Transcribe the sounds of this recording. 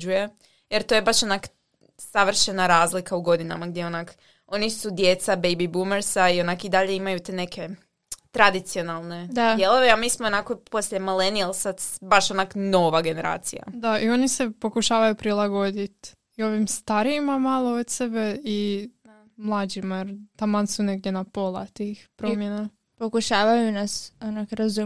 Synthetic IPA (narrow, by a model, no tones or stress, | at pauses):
uje | jeɾt̪oːje̞baʃo̞nak | saʋr̩ʃenaɾaːzlikauɡo̞d̪ina̰maɡ̚d̪jeonak | o̞nisud̪jet̪sabejbibumeɾsaio̞nakid̪aʎe̞imajut̪ene̞kʰe̞ | t̪ɾad̪it̪sio̞nalˠne̞d̪ad̪jelˠo̞ʋeamiːsmoonakopo̞slʲemilenialˠsad̪baʃo̞nakno̞ʋaɡe̞neɾa̰ːt̪sija̰d̪aʔio̞nise̞po̞kuʃaːʋajupɾilˠaɡo̞d̪it̪ | io̞ʋimst̪aɾiːmamalˠoot̪sebe̞in | mlˠad͡ʑimajeɾt̪amansune̞ɡ̚d̪je̞napo̞lˠat̪ixpɾomjena | pokuʃaːʋajunasonakɾazu